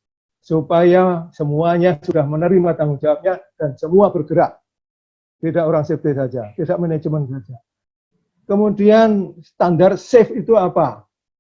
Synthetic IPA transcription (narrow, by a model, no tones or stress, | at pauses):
supajasəmuaɲasudahmənəɾimat̪aŋʊŋd͡ʒawap̚ɲad̥ansəmuabərɡ̥əɾaʔ | t̪idaʔoɾaŋsefd̪esad͡ʒatidaʔmənad͡ʒəmənsad͡ʒa | kəmudiansət̪andarsɪfit̪uapa